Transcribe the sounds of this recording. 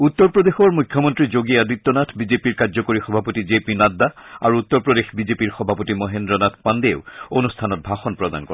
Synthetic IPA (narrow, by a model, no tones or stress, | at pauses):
ut̪ːɔɹpɹɔd̪exɔɹmujkʰjɔmɔntɹid͡ʑoɡiadit̪ːɔnatʰbizepiɹkazɔkoɹixɔbʱapotizepinad̪ːaa̰ɹuut̪ːɔɹpɹɔd̪exbizepiɹxɔbʱapotimɔɦendɹɔnatʰpand̪eʊonustʰanɔt̚bʱaxɔnpɹɔd̪a̰nkɔ